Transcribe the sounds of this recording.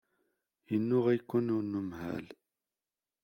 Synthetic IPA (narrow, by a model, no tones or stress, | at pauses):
jənːʊʁæjkʷːunʊnːumhæ̰l